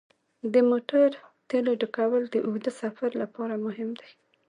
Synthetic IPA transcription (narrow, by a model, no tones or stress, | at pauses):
d̪əmoʈaɾt̪eloɖəkawəld̪əʔohd̪əsafaɾlapɑɾamʊɦɪmd̪aj